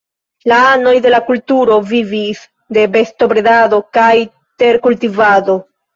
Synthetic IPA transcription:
laano̞jde̞lakultuɾo̞vivis | de̞be̞sto̞bɾedado̞kaj | te̞ɾkultivado̞

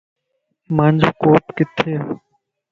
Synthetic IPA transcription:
mɐnd͡ʒʱkoːpkɪt̪ʰːeː

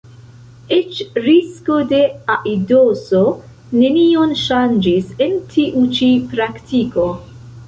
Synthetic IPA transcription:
et͡ʃɾisko̞de̞aʔidoso | ne̞nionʃand͡ʒise̞ntʰiʔut͡ʃipɾaktiko̞

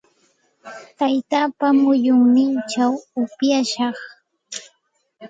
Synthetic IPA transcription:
t̪ajt̪aːpamʊjʊŋnɪnt͡ʃawʊpjaʃɑχ

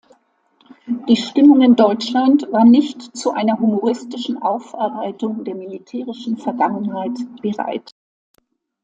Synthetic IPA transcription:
d̥iːʃtɪmʊŋɪndɔʏt͡ʃlantv̥aːɐnɪçtt͡suʔa̰ɪnɐɦumoʁɪstɪʃn̩ʔaʊfʔɛɐbaɪtʊŋdeːɐmilitʰɛːʁɪʃn̩fɛɐɡaŋənhaɪtb̥əʁa̰ɪt

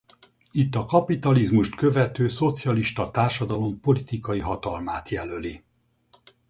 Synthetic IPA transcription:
it̪ːɒkɒpit̪ɒlizmuʃt̪kø̞vɛt̪øːso̞t̪sijɒliʃt̪ɒt̪aːrʃɒd̪ɒlo̞mpo̞lit̪ikɒjiɦɒt̪ɒlmaːt̪jɛløli

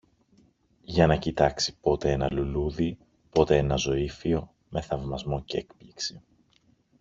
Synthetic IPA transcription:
ʝɐnɐcit̪ɐksi̥po̞t̪e̞e̞nɐluluði | po̞t̪e̞e̞nɐzo̞ifio̞ | me̞θɐvmɐzmo̞cee̞kpliksi

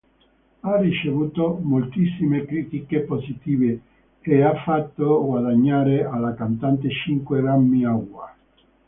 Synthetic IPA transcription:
arit͡ʃevuːt̪omolt̪isːimekɾit̪ikepozit̪iːveː | afːat̪ːoɡwaðaɲːaːɾealːakant̪ant̪et͡ʃiŋkweɡɾamːiaɡwa

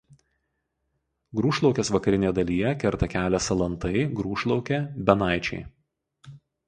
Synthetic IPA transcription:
ɡɾuːʃlˠɒʊkʲɛsʋɐkɐɾʲɪnʲeɛd̪ɐlʲiːjɛkʲɛɾt̪ɐkʲæːlʲɛsɐlˠɐnt̪ɐɪɡɾuːʃlˠɒʊkʲɛbʲɛnɑˑɪt͡ʃʲɛ̰ɪ

